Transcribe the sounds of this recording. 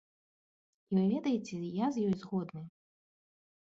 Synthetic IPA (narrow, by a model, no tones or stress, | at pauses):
ivɨvʲɛd̪ɐjet͡sʲɛjazjɔjzɣɔd̪nɨ